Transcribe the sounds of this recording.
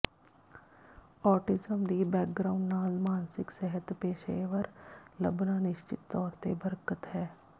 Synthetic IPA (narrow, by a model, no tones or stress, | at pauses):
ɔːʈɪzəmd̪ibɛːk̚ɡɾaːʊ̃ɳɖnaːlmaːnsɪksɛɦət̪peːʃeːʋəɾləbnanɪʃt͡ʃɪ̰t̪ːɔːɾt̪ebəɾkət̪ɦɛː